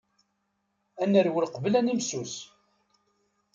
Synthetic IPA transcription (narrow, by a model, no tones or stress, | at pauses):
ænːəɾwəlqvəlænimsus